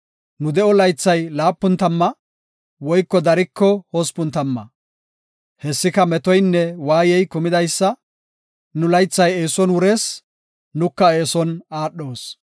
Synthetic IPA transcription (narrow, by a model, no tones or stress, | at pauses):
nʊd̪ɛʔɔlɐjt͡sːɐjlaːpːʊnt̪ɐmːɐ | wɔjkːɔd̪ɐɾɪkːɔhospʊnt̪ɐmːɐ̰ | hɛsːɪkɐmɛt̪ɔjnːɛwaːjɛjkʊmɪd̪ɐjsːɐ | nʊlɐjt͡sːɐjeːsɔnwʊɾes | nʊkːɐeːsɔnaːɗːo̞ːs